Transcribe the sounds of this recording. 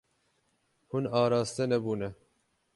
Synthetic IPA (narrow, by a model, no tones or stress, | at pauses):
hunɑːɾɑːst̪ɛnɛbuːnɛ